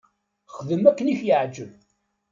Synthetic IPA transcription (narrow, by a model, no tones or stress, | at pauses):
χðəmækːənifjəʕd͡ʒːəv